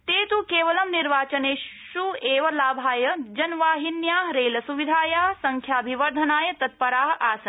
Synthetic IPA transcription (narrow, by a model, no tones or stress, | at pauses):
t̪eːt̪ukeːʋɐlɐmniɾʋaːt͡ʃɐneː | ʃueːʋɐlaːbʱaːjɐd͡ʒɐnʋaːɦinjaːɦɾeːlɐsuʋid̪ʱaːjaːɦsɐŋkʰjaːbʱiʋɐɾd̪ʱɐnaːjɐt̪ɐt̪̚pɐɾaːɦaːsɐn